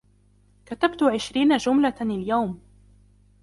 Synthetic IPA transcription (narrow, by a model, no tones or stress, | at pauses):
kat̪abt̪ʊʕɪʃɾiːnad͡ʒʊmlaɪljawm